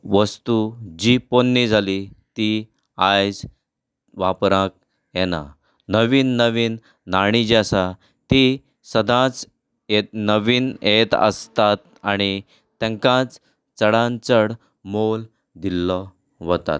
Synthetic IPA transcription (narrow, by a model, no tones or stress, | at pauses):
ʋəst̪ud͡ʑiponːid͡zʱalit̪i | ajd͡z | ʋapɾãk̚ | jɛna̰ | nəʋiːnːəʋiːnː | aɽ̃id͡ʑasa | t̪i | səd̪ʱãt͡s | enəʋiːnet̪ə̰st̪at̪ | aɽ̃i | t̪ɛ̃ŋkãt͡s | t͡səɽãnt͡səɽ | mol | d̪ilːɔ | ʋɔt̪a̰t̪̚